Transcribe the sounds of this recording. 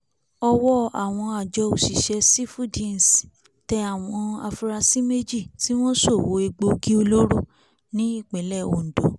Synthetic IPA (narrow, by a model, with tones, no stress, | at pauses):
ɔ˧wɔ˦a˨w̃ɔ̃˧a˨d͡ʒɔ˧o˨ʃi˨ʃɛ˧si˦fu˦dĩ˦˨n˨s | tɛ˧a˨w̃ɔ̃˧a̰˧fu˧ɾa˧si˦me˦d͡ʒi˦˨ti˦w̃ɔ̃˦so˦˨wo˨˦e˧ɡ͡bo˧ɡĩ˦o˧lo˦ɾo˦˨ | nĩ˦i˦˨k͡pɛ˨˦lɛ˦˨o̰˨n̩˨dɔ˨˦